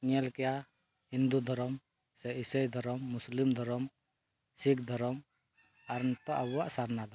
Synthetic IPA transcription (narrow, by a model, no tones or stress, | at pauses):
ŋɛlkɛja | hind̪ud̪ʱɔɾɔm | sɛisəjd̪ʱɔɾɔmːuslimd̪ʱɔɾɔm | sik̚d̪ʱɔɾɔm | aɾnt̪ɔʔabaʔsaɾnad̪a